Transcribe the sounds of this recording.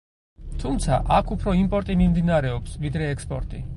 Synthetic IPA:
t̪ʰumt̪sʰaʔakʰupʰɾɔimpʼɔɾt̪ʼimimd̪inaɾɛɔpsvid̪ɾɛːkspʼɔɾt̪ʼḭ

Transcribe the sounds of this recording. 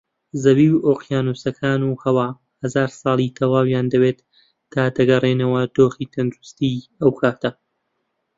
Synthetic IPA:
zɐwiːwoːqjaːnusɐkʰaːnuhɐwaː | hɐzaːɾsˤɑːlˠit̪ʰɐwaːwjaːnd̪ɐwet̪ː | aːd̪ɐɡɐreːnɐwɐd̪̥oːxit̪ʰɐnd̪ɾust̪iɐwkʰaːt̪ɐ

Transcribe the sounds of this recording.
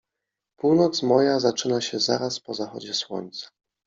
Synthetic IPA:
puwnɔt̪smɔjazat͡ʂɘnaɕɛza̰ɾaspɔzaxɔ̰d͡ʑɛswɔ̰ɲt̪sḁ

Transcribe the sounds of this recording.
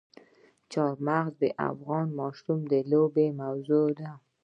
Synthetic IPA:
t͡ʃɑɾmaɣzd̪əʔa̰fɣɑnmɑʃɾumd̪əlobemawzod̪a

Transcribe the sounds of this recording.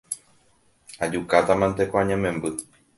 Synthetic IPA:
ad͡ʒukat̪amãnt̪ekʷaɲãmẽmbɨ

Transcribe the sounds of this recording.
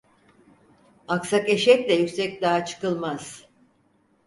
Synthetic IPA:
aksakeʃɛclʲɛjykʲsɛc̚d̪aɦat͡ʃʰɯ̥kɯlˠmaz̥

